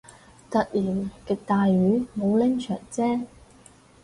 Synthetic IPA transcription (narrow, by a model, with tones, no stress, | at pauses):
t̪ɐ˨k̚liː˨˩wkɪ˨k̚t̪aː˨jɥyː˨˥mo˨˧wlɛ˥ŋt͡ʃʰœ̰ː˨˩ŋt͡sɛː˥